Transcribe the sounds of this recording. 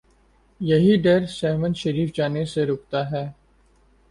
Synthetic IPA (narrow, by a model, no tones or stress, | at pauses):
jɐɦiɖɐɾsɛːmə̃nʃɐɾiːfd͡ʒaːneseɾʊːk̚t̪aɦɛː